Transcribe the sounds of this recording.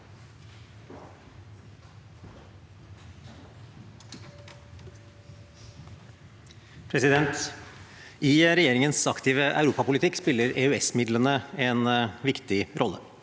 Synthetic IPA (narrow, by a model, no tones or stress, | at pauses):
pʰɾɛsɪd̪ɛnt̪ | ʔɪɾɛjeːɾɪŋənsɑkt̪ɪːʋəʔɑ̰ʉɾuːpɑpʊlɪt̪ʰɪkspɪlːəɾeːʉɛsmɪd̪lənəɛnʋɪkt̪ɪɾɔlːə̰